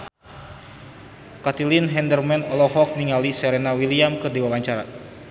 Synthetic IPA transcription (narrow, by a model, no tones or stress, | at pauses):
kat̪ilinɦɛndərmɛnɔlɔɦɔk̚niŋalisɛɾɛnawiliamkɨrdiwawaɲt͡ʃaɾa̰